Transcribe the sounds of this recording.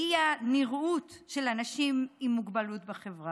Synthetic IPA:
ianiʁutʃelanaʃimimːuɡbalutbaχevʁa

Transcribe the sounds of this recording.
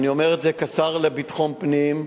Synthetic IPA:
nio̞meʁetzekat͡saʁlebitχonpnim

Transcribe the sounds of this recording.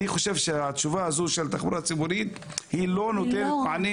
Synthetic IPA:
iχoʃevʃeat̪t͡ʃuvahazuʃelt̪aχbuɾat͡sibuɾit̪ | hilonot̪eɾet̪aʕani

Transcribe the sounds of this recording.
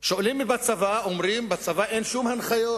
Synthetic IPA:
ʃolimːibat͡savaomʁimbat͡savaʔenʃumhanχajo

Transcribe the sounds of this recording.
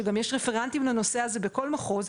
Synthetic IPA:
eɡamjeʃʁefeʁant̪imlano̞se̞aze̞be̞ko̞lmaχo̞z

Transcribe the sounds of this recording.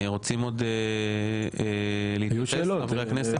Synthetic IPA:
ʁo̞t͡simo̞d̪e | eleitjuʃeːloavʁʁeaknese

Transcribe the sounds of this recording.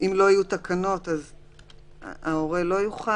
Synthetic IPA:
imlo̞ajut̪akano̞t̪az̰ | ao̞ʁe̞lo̞juχa

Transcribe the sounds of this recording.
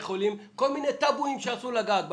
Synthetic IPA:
χolimko̞lminet̪abuimʃeasulaɡaːt̪̚b

